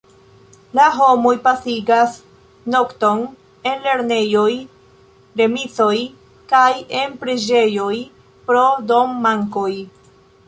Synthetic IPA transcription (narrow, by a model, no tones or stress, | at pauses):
laɦo̞mojpasiɡas | no̞kto̞n | e̞nle̞ɾne̞joj | ɾe̞mit͡so̞j | kaje̞npɾed͡ʒe̞jo̞j | pɾo̞do̞mːaŋko̞j